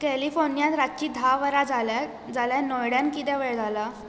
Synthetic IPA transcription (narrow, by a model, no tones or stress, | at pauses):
kɛlifonjãt̪ɾatt͡ɕiːd̪ʱaʋəɾad͡zala | d͡zaljanɔjɽjãnkit̪ɛ̃ʋɛɭd͡zʱala